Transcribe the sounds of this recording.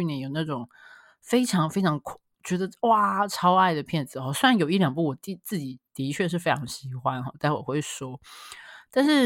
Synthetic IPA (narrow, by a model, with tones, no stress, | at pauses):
y˥˧njɛ˥˩njo˨˩ʊna˥˩ʈ͡ʂʊ˨˩ŋ | fe˥ɪʈ͡ʂʰɑ˧˥ŋfe˥ɪʈ͡ʂʰɑ˧˥ŋkʰ | t͡ɕɥɛ˧˥d̪ə˧wa˥ʈ͡ʂʰɑ˥ʊa˥˩ɪd̪ə˩pʰjɛ˥˩nt͡sɹ̩˨˩xɔ˧˩swe˥a˧˦njo˨˩ʊi˥˩ljɑ˨˩ŋpu˥˩wɔ˨˩t̪i˥˧t͡sɹ̩˥˩t͡ɕi˨˩t̪i˧˥t͡ɕʰɥɛ˥˧ʂ̬ɻ̩˥˩fe˥ɪʈ͡ʂʰɑ˧˥ŋɕi˧˥xwa˦nxɔ˥˧t̪a˥˩˥wɔ̰˨˩xwe˥˩ɪʂwɔ˥ | t̪a˥˧nʂɻ̩˥˩